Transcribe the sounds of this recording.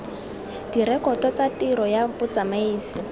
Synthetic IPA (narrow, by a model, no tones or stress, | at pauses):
d̥iɾɛkɔtɔt͡satiɾɔjabʊt͡samaiːsi